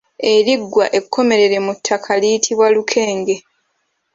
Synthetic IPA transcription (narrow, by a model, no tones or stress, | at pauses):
e̞ɾiɡːwaʔe̞kʰːo̞me̞ɾe̞ɾe̞mutʰːakʰalijitʰiβwalukʰe̞ːŋɡe̞